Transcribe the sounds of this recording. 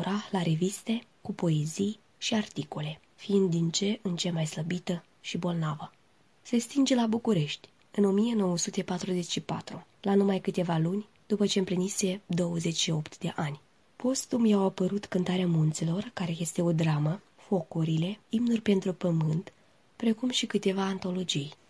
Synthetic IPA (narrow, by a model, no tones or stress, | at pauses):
ɾalaɾe̞vist̪e̞kupo̞e̞zij | ʃiart̪iko̞le̞ | fiind̪ːint͡ʃe̞ʔɨnt͡ʃemajsləbit̪ə | ʃibo̞lnavə | se̞st̪ind͡ʒelabukuɾe̞ʃt̪ʲ | ɨno̞mije̞no̞wəsut̪e̞pat̪ɾuze̞t͡ʃʃipa̰t̪ɾulanumajkɨt̪e̞valunʲ | d̪̥upət͡ʃeɨmpɾinise̞d̪o̞wəze̞t͡ʃʲʃio̞pt̪d̪e̞̰ʔanʲ | po̞st̪umjawapəɾut̪kɨnt̪aɾeamunt̪selo̞rkaɾe̞je̞st̪e̞o̞d̪ɾamə | fo̞kuɾile̞imnurʲpe̞nt̪ɾupəmɨnt̪ | pɾe̞kumʃikɨt̪e̞vaːnt̪o̞lo̞d͡ʒij